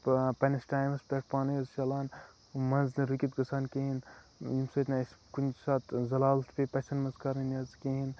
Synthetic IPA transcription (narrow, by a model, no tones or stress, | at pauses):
pɐnɐsʈaːjmɐspeʈ̚paːniɐzʃɐlaːn | mɐnznɐɾukʲit̪ɡɐsaːnkeɦinimsɐt̪naskunsaːt̪zɐlaːlt̪ʰpepɐsɐnmɐnzkɐɾinɐzkeɦin